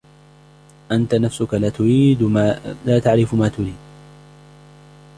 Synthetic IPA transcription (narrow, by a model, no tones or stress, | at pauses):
ʔant̪anafsʊkalaːt̪ʊɾiːd̪alaːt̪aʕɾɪfmaːt̪ʊɾiːd̪̚